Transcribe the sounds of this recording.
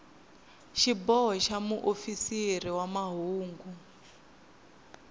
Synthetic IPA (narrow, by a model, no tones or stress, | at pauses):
ʃibɔɦɔʃamuʔofisiɾiwamaɦuːŋɡu